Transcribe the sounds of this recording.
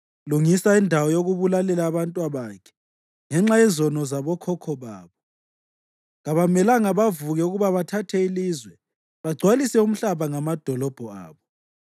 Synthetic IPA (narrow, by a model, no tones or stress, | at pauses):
luŋisaindʱawɔjoɣuβulalɛlaːβantʼwaβakʰɛ̥ | ŋɛŋ͡ǁajɛzɔnɔzaβɔkʰɔkʰɔβaːβɔ | ɣaβamɛlaŋaβavuɣɛuɣuβaβatʰatʰɛilizwɛ | βaɡ͡ǀʱwalisɛum̩ɬaβaŋamad̥ʱɔlɔb̥ʱɔa̰ːβɔ